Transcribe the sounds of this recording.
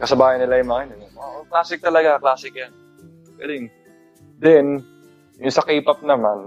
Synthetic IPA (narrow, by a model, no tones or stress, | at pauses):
kɐsɐbaːjɐnːɪlajʊmaŋɪnɪnooklaːsɪk̚t̪ɐlɐɡaklaːsɪk̚jan | ɡɐlɪŋ | d̪ɛn | jʊŋsɐkiːpɐp̚nɐman